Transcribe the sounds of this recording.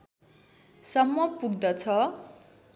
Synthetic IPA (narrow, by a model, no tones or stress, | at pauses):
sʌmːʌpuɡ̚d̪ʌt͡sʰʌ